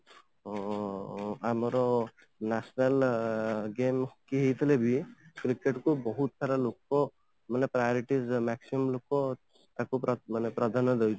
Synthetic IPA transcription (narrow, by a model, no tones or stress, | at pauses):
amɔɾɔ | nasnal | ɡemhokiɦejt̪ʰilebikɾikeʈkubɔɦut̪̚sʰaɾalokːɔ | manepɾajɔɾiʈizmaksimɔmlokːɔ | t̪akupmanepɾad̪ʱanɔd̪ejt͡ʃʰ